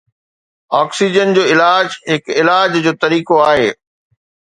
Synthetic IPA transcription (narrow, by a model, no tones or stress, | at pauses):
ɔːksid͡ʑənd͡ʑoːɪlaːd͡ʑɦɪkɪlaːd͡ʑd͡ʑoːt̪ɐɾiːkoaːɦḛː